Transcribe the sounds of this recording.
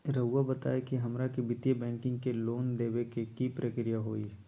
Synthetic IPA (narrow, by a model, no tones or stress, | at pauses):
ɾɐʊabɐt̪a̰ːekiɦɐmɾakibɪt̪jebɛ̃ːŋkɪ̃ŋɡkeloːnd̪eːʋekekipɾʔəkɾijaɦoːi